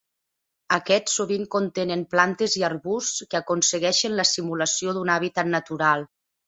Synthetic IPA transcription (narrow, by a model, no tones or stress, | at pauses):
əkɛsːoβiŋkont̪enemplant̪eziaɾβuskəakonsəɣɛʃenləsimuləsioðunaβit̪at̪nat̪uɾalˠ